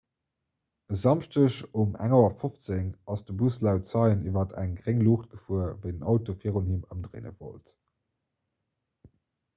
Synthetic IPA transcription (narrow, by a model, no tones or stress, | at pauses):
əzɑmʃtəʃumæ̰ŋoɐfoft͡seŋɑsd̥əbuslæʊtt͡sɑɪənivɐtʰæ̰ŋɡʁeŋluːχt̚ɡ̥əfuɐvəɪdənɑʊtofiəʁoniməmdʁḛːnə̰vo̰lt